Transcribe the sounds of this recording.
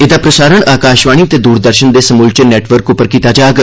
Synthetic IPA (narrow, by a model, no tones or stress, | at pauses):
ɪd̪aːpɾəsaːɾəɳʔaːkaːʃʋaːɳ̃iːət̪eːd̪uːɾd̪əɾʃənd̪eːsəmuːlt͡ʃənɛːʈʋəɾkʊpəɾkiːt̪aːd͡ʒaːɡ